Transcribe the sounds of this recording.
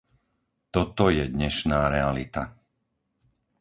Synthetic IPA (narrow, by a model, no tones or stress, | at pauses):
t̪ɔt̪ɔjɛd̪ɲɛʃnaːɾɛalit̪a